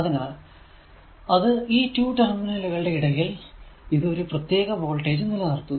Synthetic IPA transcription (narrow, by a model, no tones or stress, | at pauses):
ɐðɐnːaːɭ | ɐðɨiːtuːʈɐrɐminɐluɣɐɭɨɽe̞iɽɐjiliðɨo̞ɾuprɐt̪je̞ːɣɐʋo̞ːɭʈe̞ːd͡ʑunːilːɐnɐrt̪ːu